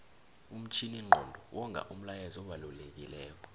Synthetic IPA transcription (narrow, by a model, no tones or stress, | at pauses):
um̩t͡ʃʰiniŋ͡ǃʱɔndʱɔwʔɔŋɡʱa̰ʔum̩lajɛzɔɓalulek̬ʼilɛːk̬ʰʼɔ̥